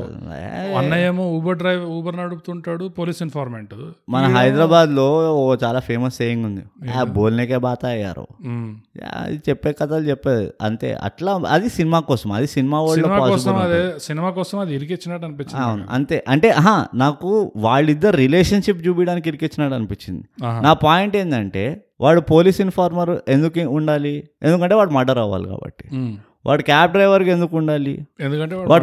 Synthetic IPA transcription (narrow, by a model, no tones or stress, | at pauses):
ɐnːɐjɐmuuːbɐɾɖɾɐjʋuːbɐɾnɐɽupt̪uːɳʈaːɽupoːliːsinpʰaːɾmeɳʈumɐnɐɦɐjd̪ɾaːbaːd̪lo̞ːt͡ʃaːlaːpʰeːmɐsːeːjiŋɡund̪iaboːlneːkeːbaːt̪aɐjːa̰ːɾṵja̰ːɐ̰d̪it͡ʃɛpːeːkɐt̪ɐlut͡ʃɛpːeːd̪ṵɐ̰nt̪ḛːɐ̰ʈlaːɐ̰d̪isinimaːkɔːsɐmɐ̰d̪isinimaːʋaːɭlomaːpaːsɔːisbɐɐmɐd̪esinimaːkɔːsɐmɐd̪iiɾiket͡ʃːinaːɽɐnipit͡ʃːaːunʔɐ̰nt̪e̞ːʔɐɳʈe̞ːʔɦaːnaːkuʋaːɭːid̪ːɐɾuɾileːʂɐnʂip̬ːd͡ʒuːbiɽaːnikiɾiket͡ʃːinaːɽɐnupit͡ʃːind̪inaːpaːjiɳʈe̞ːnd̪ɐɳʈe̞ː | ʋʔaːɭːupo̞ːliːsinpʰaːɾmɐɾe̞nd̪ukuɳɖaːli | ḛnd̪ukɐɳʈe̞ːʋaːɽumɐɖɐɾaːʋa̰ːlḭka̰ːbɐ̰ʈːi̥ | ʋʔa̰ːɽukjaːpɖɾɐjʋɐɾke̞nd̪ukuɳɖaːlḭend̪ukɐɳʈeːʋaːʋaːɽ